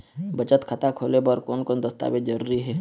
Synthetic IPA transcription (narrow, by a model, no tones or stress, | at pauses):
bɐt͡ʃət̪kʰɐt̪akʰoːlebəɾkoːnkoːnd̪əst̪a̰ːbed͡ʒɐɾuːɾiɦɛː